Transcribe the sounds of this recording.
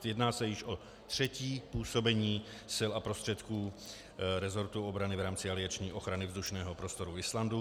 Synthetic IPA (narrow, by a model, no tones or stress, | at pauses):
jɛdnaːsɛjɪʃo | t̪r̝̥ɛciːpuːso̞bɛɲiː | sɪlapɾo̞st̪r̥ɛt̪kuː | ɾɛzo̞ɾt̪uobɾanɪvɾaːmt͡sɪalɪat͡ʃɲiːʔo̞xɾanɪvzduʃnɛːɦopɾo̞st̪oɾuɪslandu